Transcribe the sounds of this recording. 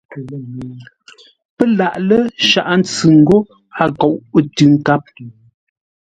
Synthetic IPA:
pə˦la˨ʔlə˦ʃa˨ʔn̩˦t͡sɨ˨ŋ̩˦ɡo˦ | a˦˨kɔ˨ʔə˦tʉ˨˦ŋ˦ka˦p̚

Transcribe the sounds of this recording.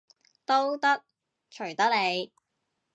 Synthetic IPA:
t̪o˥wt̪ɐ˥k̚ | t͡ʃʰɵ˨˩ɥt̪ɐ˥k̚ne˨˧j

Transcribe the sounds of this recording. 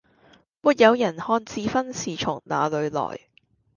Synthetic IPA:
muː˨˩t̚jɐ˨˧wjɐ˨˩nhɔː˧nt͡siː˧fɐ˥nsiː˨t͡ʃʰʊ˨˩ŋna̰ː˨lɵ˨˧ɥlɔ̰ː˨˩j

